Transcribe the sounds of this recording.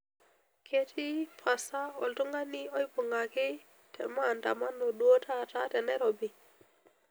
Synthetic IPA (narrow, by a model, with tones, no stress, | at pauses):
kʰe˦tʰi˦pʰa˨sa˦o˨ltu˦ŋɡa˦ni˦o˦jpu˨ŋɡa˨ki˦ | tḛ˨ma˦˨nta̰˨ma˦nːo˨ɗu˦o˦tʰa˦ta˦te˨ne˦ɾo˨bi˨